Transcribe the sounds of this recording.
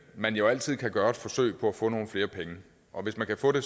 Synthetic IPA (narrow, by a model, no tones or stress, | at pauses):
mænjoæl̰t͡sʰið̞̰ˠkʰæɡ̥ɶːɐed̥fɒ̽sø̰ɪpʰɒ̽æfɔ̽ːno̝ːn̩fle̝ːɐpʰeŋə | ʔɒ̽ʋe̝smænkʰæfɔ̰̽ːde̝